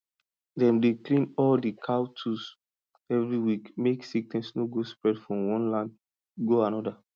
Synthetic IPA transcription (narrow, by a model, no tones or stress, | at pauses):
dɛ̃mdeklĩnɔldikʰawtʰus | ɛvɹiwikmeksiktɛ̃nsnoɡospɹɛdfɹɔ̃mwɔ̃nlãnd | ɡoanɔda